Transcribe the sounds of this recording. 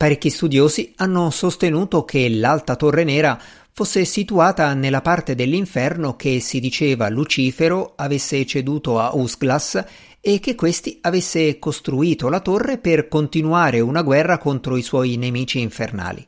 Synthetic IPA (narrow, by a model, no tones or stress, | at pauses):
paɾekːist̪ud̪joːzianːosost̪enuːt̪okʰelːalt̪at̪orːenɛːɾa | fosːesit̪uaːt̪anelːapart̪ed̪elːiɱfɛrnokesid̪it͡ʃeːva̰lut͡ʃiːfeɾoavesːet͡ʃed̪uːt̪oausɡlas | ek̟ːekːwest̪iavesːekost̪ɾuiːt̪olat̪orːeperkont̪inuaːɾeunaɡwɛrːakont̪ɾoiswɔːjinemiːt͡ʃiːɱfḛrna̰ːlḭ